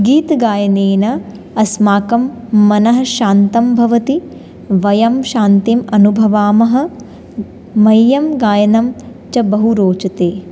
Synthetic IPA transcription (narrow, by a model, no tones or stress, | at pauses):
ɡiːt̪ɡaːjɐneːnɐ | ɐsmaːkɐmː | ɐnɐɦɐ̆ʃaːnt̪ɐmbʱɐʋɐt̪i | ʋɐjɐmʃaːnt̪imɐnubʱɐʋaːmɐɦɐ̆ | mɐjːɐmɡaːjɐnɐmt͡ʃɐbɐɦuɾoːt͡ʃɐt̪eː